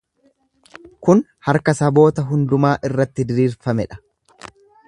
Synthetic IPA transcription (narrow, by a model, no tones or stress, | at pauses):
kʊnhɐɾkɐsɐbo̞ːt̪ɐɦʊnd̪ʊmaːʔɪrːɐt̪ːɪd̪ɪɾiːɾfɐmɛᶑɐ̥